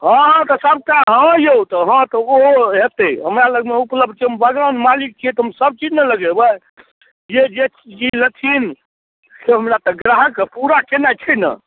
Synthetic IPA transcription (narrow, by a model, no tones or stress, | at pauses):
ɦə̃ɦt̪ɔsəb̚kaɦə̃jowt̪ɔɦə̃t̪ɔoɦet̪ɛɦəmɾaləɡmeupləb̚d̪̚t͡ʃʰiɦəmbəɡənmalik̚t͡ʃʰiɛt̪ɔɦəmsəb̚t͡ʃid͡ʒnələɡebə | jed͡ʒe | iləkʰin | seɦəmɾat̪ɔɡɾaɦəkpuɾakenat͡ʃʰɛnə̰̃